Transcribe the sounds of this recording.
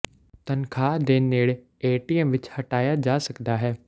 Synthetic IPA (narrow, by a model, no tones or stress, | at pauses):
t̪ənkʰaːd̪eneːɽ | eːʈiːɛmʋɪt͡ʃhɐʈaːjad͡ʒaːsɐkd̪aːɦɛː